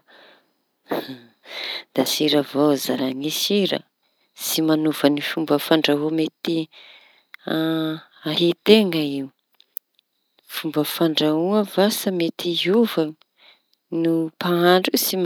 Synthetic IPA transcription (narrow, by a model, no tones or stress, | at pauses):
d̪̥asiɾavozaɾaŋisiɾə̰ | simanuv̥ənifumbəfaɳɖ͡ʐaɦomet̪i | aɦit̪eŋəiwu | fumbəfaɳɖ͡ʐauəvasamet̪iɦuvaŋə | nupaaɳɖ͡ʐisim